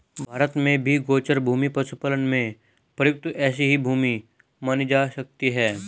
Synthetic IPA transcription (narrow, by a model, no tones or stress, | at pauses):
bʱaːɾət̪mẽbʱiɡoːt͡ʃəɾbʱuːmipɐsupələnmẽ | pəjʊk̚t̪ɛːs̬iɦibʱuːmi | manid͡ʒaːsɐk̚t̪iɦɛː